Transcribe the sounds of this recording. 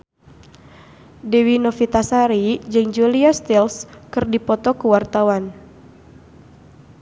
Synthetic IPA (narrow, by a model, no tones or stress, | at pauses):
dewinɔfit̪asaɾid͡ʒɨŋd͡ʒuliast̪ilskɨrdipɔt̪ɔkuwart̪awan